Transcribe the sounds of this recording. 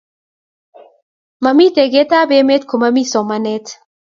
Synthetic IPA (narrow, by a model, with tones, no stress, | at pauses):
ma˨mi˦t̪e˨ɡe˦t̪a˦be˦me˦t̪̚ko˨ma˦mi˦sɔ˨ma˦nɛ˦t̪